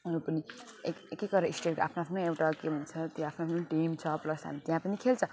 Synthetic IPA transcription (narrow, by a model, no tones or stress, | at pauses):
ʌɾupʌni | ekekekʌɾʌisʈeʈkoʔa̰pʰnoapʰnoewʈakebʱunt͡sʰʌt̪j̃apʰnoapʰnoʈimt͡sʰʌplʌsɦa̰mit̪jãpʌnikʰelt͡sʰʌ